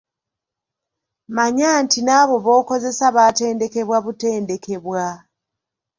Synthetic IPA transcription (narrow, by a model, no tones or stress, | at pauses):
maɲaːntinaːβo̞βo̞ːko̞ze̞saβate̞ːnde̞ke̞βwaβute̞ːnde̞kʰe̞βwa